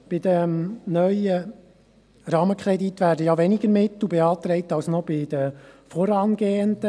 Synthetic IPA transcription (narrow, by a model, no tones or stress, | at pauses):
b̥ɪd̪əmnœʏə | ɾɑːməkʰɾɛdit̪ːʋæːɾdəjɑʋɛnɪɡəɾmɪt̪ːubɛɑːt̪ɾɛɪtɑlsnɔb̥ɪd̥̪əfɔɾɑːnɡeːənd̪ə